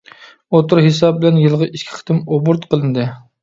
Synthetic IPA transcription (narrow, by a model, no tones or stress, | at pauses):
ot̪uɾɦesɑbɪlɛnjɨlˠʁɑʔiʃkʲʰi̥χʰt̪ʰɪmobuɾt̪qəlˠɨnd̪ɨ